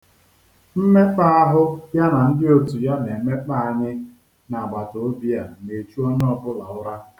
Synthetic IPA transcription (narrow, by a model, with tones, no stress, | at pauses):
m̩˦me˦k͡pa˦a˦ɦʊ˦ja˦na˨n̩˦dɪ˦o˦tu˨ja˦ne˨me˦k͡pa˦a˦˨ɲɪ˦ | na˨ɡ͡ba˨to˨o˦bi˦a˨ne˨t͡ʃu˦ɔ˦n˦ɔ˦bʊ˦la˨ʊ˦ɾa˦